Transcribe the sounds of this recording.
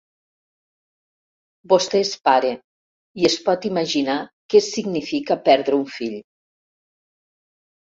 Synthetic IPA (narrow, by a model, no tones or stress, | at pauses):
bost̪eespaɾe | iespɔt̪imaʒinakesːiɡnifikəpɛɾðɾeuɱfiʎ